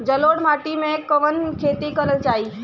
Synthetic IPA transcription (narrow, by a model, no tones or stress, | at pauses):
d͡ʒəloɽm̤aʈimẽkəʋənkʰet̪ikələt͡ʃaːi